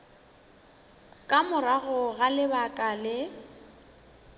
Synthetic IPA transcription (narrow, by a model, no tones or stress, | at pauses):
kʼamʊraɣʊɣalɪbakʼalɪ